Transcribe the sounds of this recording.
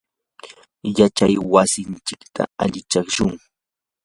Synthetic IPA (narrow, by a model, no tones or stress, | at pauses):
jat͡ʃajwasɪnt͡ʃɪkt̪ʰa̰aʎɪt͡ʃaχʃʊŋ